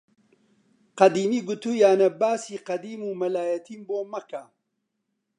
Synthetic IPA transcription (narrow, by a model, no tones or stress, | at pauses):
qɐd̪iːmiːɡut̪ujaːnɐbaːsiːqɐd̪iːmumɐlaːjɐt̪ʰiːmboːmɐka